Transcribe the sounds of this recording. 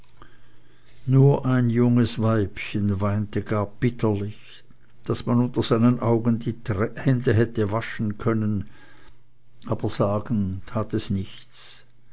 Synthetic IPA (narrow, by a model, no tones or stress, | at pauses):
nuːɐʔaɪnjʊŋəsvaɪpçənvaɪntəɡaːɐb̥ɪtʰəlɪç | d̥asmanʊntɐz̥aɪnənʔaʊɡəndiːɛhɛndəɦɛtəvaʃn̩kʰœnən | ʔaːb̥ɐz̥aːɡən̩tʰaːtɛsnɪç | t͡s